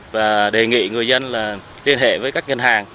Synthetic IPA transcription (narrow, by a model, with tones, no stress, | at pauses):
vaː˨˩ɗe˨˩ŋḭ˧˨ŋɨ˨˩əjzə˧nlaː˨˩ | li˧ənɦḛ˧˨vəː˨˦jkaː˦˥k̚ɲə˧nɦaː˨˩ŋ